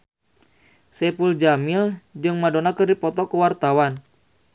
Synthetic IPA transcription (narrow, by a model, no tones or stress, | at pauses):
sɛpuld͡ʒamild͡ʒɨŋmadonakɨrdipɔt̪ɔkəwart̪awan